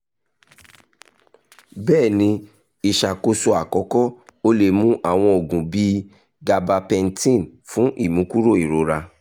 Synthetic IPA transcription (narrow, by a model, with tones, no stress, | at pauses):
bɛː˦˨nĩ˧˦ | i˨ʃa˨ko˧so˧a˨kɔ˨˦kɔ˦o˦le˧mũ˦ʔa˦˨w̃ɔ̃˧o˨ɡũ˨bi˧˦ | ɡa˧ba˧pɛ˧n̩˦tĩ˦˨nfũ˨˦ʔi˦˨mũ˨˦ku˦ɾo˦˨i˨ɾo˨˦ɾa˧